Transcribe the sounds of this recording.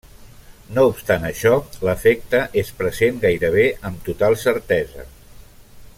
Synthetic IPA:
noupst̪anəʃɔləfɛk̚t̪əʔespɾəzenɡajɾəβ̞eəmt̪ut̪alˠsəɾt̪ɛzə̰

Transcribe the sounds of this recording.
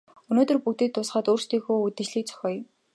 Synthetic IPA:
ɵnoːt̪ɵ̆rpukt̪iːk̚t̪ʰːʊsχəːt̪uːrst̪iːxuːut̪ɘ̆t͡ɕɮiːk̚t͡sʰœ̥xʲɔːj

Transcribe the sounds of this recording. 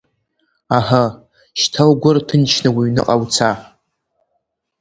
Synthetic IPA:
aha | ʃtʰawɡʷʊrtʰɨnt͡ʃʰnɨwiɥnɨ̰qʼawt͡sʰa

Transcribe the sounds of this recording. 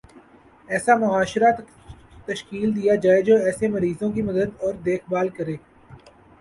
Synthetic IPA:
ɛːsamʊɦaːʃɾa | t̪əʃkiːld̪ijad͡ʒaːed͡ʒoːɛːsemɐɾiːzõkimɐd̪əd̪ɔːɾd̪eːxbaːlkɐɾeː

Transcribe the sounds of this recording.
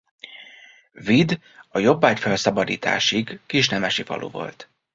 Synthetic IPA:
vid̪ | ɒjo̞bːaːcfɛlsɒbɒd̪iːt̪a̰ːʃiɡːiʃnɛmɛʃivɒ̰lʔo̰ːvo̞̰lt̪

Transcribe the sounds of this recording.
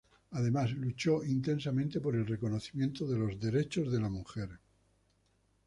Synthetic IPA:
aðe̞maslut͡ʃo̞int̪ẽ̞ns̬amẽnt̪e̞po̞ɾe̞lre̞ko̞noθimjẽ̞nt̪oðe̞lo̞zðe̞ɾe̞t͡ʃo̞zðe̞lamuxeɾ

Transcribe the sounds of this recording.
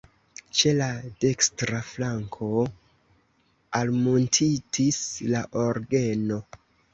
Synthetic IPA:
t͡ʃe̞lade̞kstɾaflaŋkʰo̞ | almontʰitʰislaʔoɾɡe̞no̞

